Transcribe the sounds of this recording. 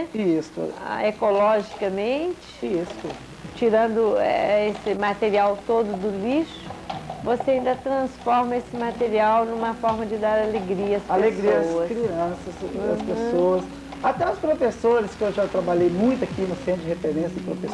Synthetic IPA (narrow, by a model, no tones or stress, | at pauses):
ist̪ʊ̰ekolɔʒikɐmẽnt͡ʃɪ̥ɪ̥ist̪ʊ | t͡ʃiɾɐ̃nd̪ʊɛ̰esɪmat̪eɾiawt̪od̪ʊd̪ʊliʃʊ̥voseaĩnd̪ɐt̪ɾɐ̃sfɔɾmɐesɪmat̪eɾiawnũmɐfɔɾmɐd͡ʒɪd̪aɾaleɡɾiɐɐsallesɡɾiɐsɐskɾiɐ̃sɐsɐspesoɐs | at̪ɛɐspɾofesoɾɪskɪewʒat̪ɾabaʎejmũj̃t̪ʊakimɐ̃sẽnd͡ʒɪhefeɾẽsɐɪpɾofes